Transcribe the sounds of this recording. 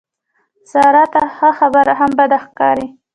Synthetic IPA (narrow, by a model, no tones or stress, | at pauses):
z̥ɑɾɑt̪axaxabəɾaɦambad̪axkɑ̰ɾi